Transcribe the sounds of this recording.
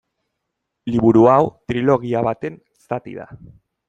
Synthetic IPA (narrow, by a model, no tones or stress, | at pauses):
liβuɾuawt̪ɾilo̞ɣiaβat̪e̞nesat̪ḭða̰